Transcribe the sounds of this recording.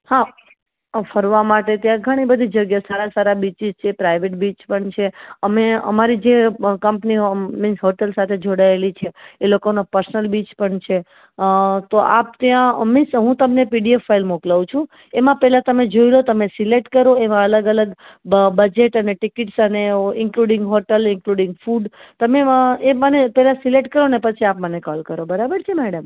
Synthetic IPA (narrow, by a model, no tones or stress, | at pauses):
ha | fəɾʋamaʈet̪jãɡʱəɽ̃ibəd̪ʱid͡ʒəɡjasaɾasaɾabit͡ʃizt͡ʃʰepɾaiʋeʈ̚bit͡ʃpəɳt͡ʃʰeəmeə̰maɾid͡ʒekəmpnimɪsɦoʈəlsat̪ʰed͡ʒoɽaelit͡ʃʰeːlokonapəɾsənəlbit͡ʃpəɳt͡ʃʰe | t̪oʔa̰p̚t̪jãmɪsɦũt̪əmnepiɖiefːailmoklaʋũt͡ʃʰũ | emãpɛɦlãt̪əmed͡ʒoilot̪əmesileʈkəɾoemãələɡələɡbəd͡ʒeʈəneʈɪkɪʈsəneɪŋkluɽɪ̃ŋɡɦoʈəlɪŋkluɽɪ̃ŋɡfuɖt̪əmeemənepɛlasileʈkəɾonepət͡ʃʰiapmənekɔlkəɾobəɾabəɾt͡ʃʰemɛɽəm